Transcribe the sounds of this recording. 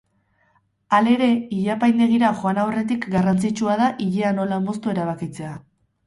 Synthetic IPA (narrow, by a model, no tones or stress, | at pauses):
ale̞ɾe̞iʎapajnd̪e̞ɣ̞iɾaʝoanawre̞t̪̬ikɡarant͡sit͡ʃuaðaʔiʎeano̞lamo̞st̪ue̞ɾaβ̞akit͡se̞a